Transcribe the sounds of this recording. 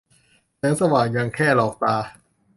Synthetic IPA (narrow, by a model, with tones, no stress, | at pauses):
t͡ɕa˦˥˦ŋsa˧waː˨˩nja˧ŋkʰɛː˥˩lɔː˨˩k̚t̪aː˧